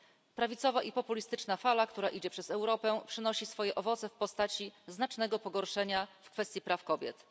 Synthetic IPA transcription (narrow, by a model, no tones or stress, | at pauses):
pɾavʲit̪sɔvaʔipɔpulʲist̪ɘt͡ʂnafalakt̪uɾaʔid͡ʑɛpʂɛzɛwɾɔpɛpʂɘnɔɕisfɔjɛʔɔvɔt̪sɛfpɔst̪at͡ɕiznat͡ʂnɛɡɔpɔɡɔɾʂɛɲafkfɛst̪ʲjipɾafkɔbʲjɛ̰t̪